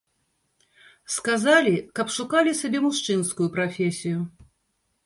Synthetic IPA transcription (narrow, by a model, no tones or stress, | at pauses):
skazalʲikɐpʂukalʲisʲabʲɛmuʂt͡ʂɨnskʊjupɾafʲesʲijʊ